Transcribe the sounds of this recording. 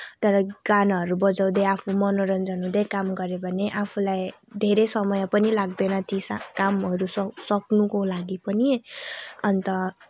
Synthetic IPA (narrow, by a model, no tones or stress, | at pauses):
t̪ʌɾʌɡanaɦʌɾubʌd͡zaw̃d̪eapʰumʌnoɾʌnd͡zʌnɦũd̪ekamɡʌɾebʱʌneʔapʰulaj | d̪ʱeɾesʌmʌjʌpʌnilaɡd̪ʌnʌt̪ʰisa̰kamʌɾusʌsʌknukolaɡipʌni | ʌnt̪ʌ